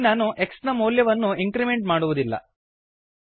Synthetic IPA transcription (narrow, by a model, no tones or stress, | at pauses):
naːnuʔeksnɐmuːljɐʋɐnːuiŋkɾimeɳʈmaːɽuʋud̪ilːɐ̰